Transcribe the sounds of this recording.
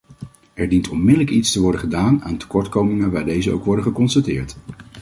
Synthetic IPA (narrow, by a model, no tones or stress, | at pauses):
ɛɹdintɔnmɪdələkitstəʋɔɹdəχədaːna̰ːntə̥kɔɹtkowmɪŋəʋaːɹdejzəo̰wkʋɔɹdəχəkɔnstatɪːɹt